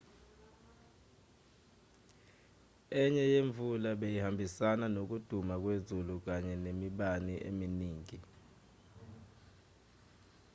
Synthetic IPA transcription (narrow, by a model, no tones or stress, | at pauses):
ɛɲɛjeɱvʱulaɓejihambʱisananok̬ud̥ʱumak̬wezuluk̬aɲɛnemiɓaniʔḛminiːŋi